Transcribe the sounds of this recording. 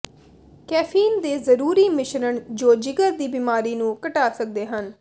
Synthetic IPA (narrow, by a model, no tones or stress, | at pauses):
kɛːpʰiːnd̪eːzəɾuːɾiːmɪʃɾəɳd͡ʒoːd͡ʒɪɡəd̪iːbiːmaːɾiːnũːkəʈaːsək̚d̪eːɦən